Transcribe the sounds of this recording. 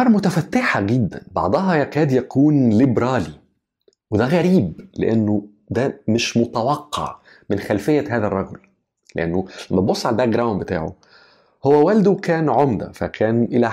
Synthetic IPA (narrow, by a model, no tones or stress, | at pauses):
ɑːɾˤmʊt̪æfæt̪ːeħaɡed̪ːæ̰nbɑ̰ʕd̪ˤɑɦɑjækæːd̪jækuːnlibɾˤɑːli | wed̪æɣæɾiːblḛʔenːo | d̪æmeʃmot̪æwɑqːɑ̰ʕ | menxælfejːæɦæːðærˤːɑɡol | leʔenːolæmːæbosˤːʕalbæɡɾˤawnbet̪a̰ːʕo̰ | howːæwæld̪okæːnʕomd̪æ̰fækʰæːnʔelæ